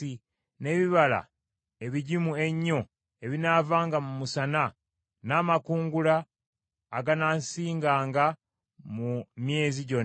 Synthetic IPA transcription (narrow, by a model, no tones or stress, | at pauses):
i | ne̞ːβiβala̰ | e̞βiɟimue̞ɲːo̞ | e̞βinavaːŋɡamumusana | naːmakuːŋɡulaː | ɡanaːnsiːŋɡaːŋɡa | mumje̞ːziɟo̞n